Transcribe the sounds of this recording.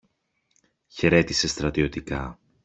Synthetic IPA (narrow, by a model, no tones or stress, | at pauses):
çe̞ɾe̞t̪ise̞st̪ɾɐt̪io̞t̪ikɐ